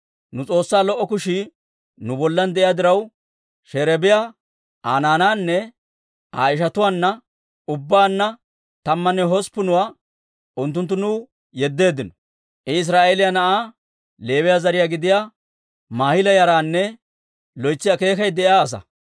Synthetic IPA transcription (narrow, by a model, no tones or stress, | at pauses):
nʊt͡sʼo̞ːsːaːlɔʔːɔkʊʃɪ | nʊbɔlːɐnd̪ɛʔɪjaːd̪ɪɾɐw | ʃɛɾɛbɪjaː | a̰ːnaːnaːnːɛ | a̰ːɪʃ̬ɐt̪ʊwaːnːɐ | ʊbːaːnːɐ | t̪ɐmːɐnːɛɦɔspːʊnʊwaː | ʔʊnt̪ːʊnt̪̬ːʊnʊ | jɛd̪ːe̞ːd̪ːɪnɔ̥ | ʔɪɪs̬ɾaːʔelɪjɐnɐʔaː | le̞ːwɪjaːzɐɾɪjaːɡɪd̪ɪjaː | maːhɪlɐjɐɾaːnːɛ | lɔjt͡sːɪjake̞ːkɐjd̪ɛɪaːs̬ɐ̰